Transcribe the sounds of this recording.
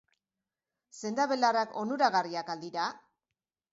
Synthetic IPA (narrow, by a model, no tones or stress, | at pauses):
se̞nd̪aβe̞larako̞nuɾaɣariakald̪iɾa